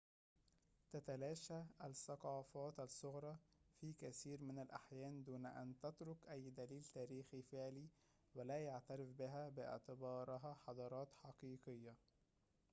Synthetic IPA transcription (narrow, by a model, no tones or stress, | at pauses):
t̪æt̪ælæːʃææsɑqɑːfɑːt̪asˤːoɣɾˤɑːfiːkæθiːɾmɪnalʔa̰ħjæːnd̪uːnæʔæ̰nt̪æt̪ɾʊkʔæjːd̪æliːlt̪æːɾiːxifɪʕliː | wælæːjaʕt̪æɾɪfbɪɦæbɪʔɪ̰ʕt̪ɪbɑːɾˤɪɦæħɑd̪ˤɑɾˤɑːt̪ħɑqiːqɪjːa